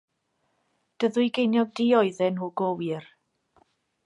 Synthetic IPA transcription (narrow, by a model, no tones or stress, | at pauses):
d̥əðʊjɡejnjɔɡ̚diɔɨðɛnhuːɡ̥owɪr